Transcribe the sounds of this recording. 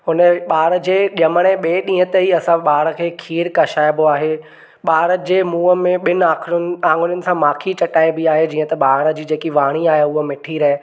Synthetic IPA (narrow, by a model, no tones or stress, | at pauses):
ɦʊnəɓaːɽɾə̆d͡ʑeːʄɐməɽ̃ẽɓeːɗĩːɦət̪əiɐsãɓaːɽə̆kʰeːkʰiːɾkɐʃaːɪboaːɦe | ɓaːɾəd͡ʑeːmuːəmẽɓɪnɪãːkʰɾʊnãːŋɡʊɽjʊnɪ̆sãmaːkʰit͡ɕɐʈaːebɪaːɦed͡ʑiːə̃t̪ɐɓaːɽə̆d͡ʑiːd͡ʑeːkiʋaːɽ̃iaːɦeʊɦəmɪʈʰiɾɐɦe